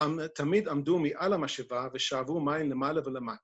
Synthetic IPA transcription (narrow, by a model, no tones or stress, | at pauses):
t̪ʰamid̪amdumiʔalamaʃevaveʃaːvumajimlemaːlavelemat